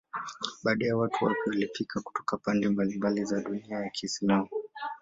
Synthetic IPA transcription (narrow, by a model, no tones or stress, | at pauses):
ɓaːɗajawatuwapɛwalipikʰaku̥tɔ̥kapandɛmbalimbalizaɗuniajakʰiːslamu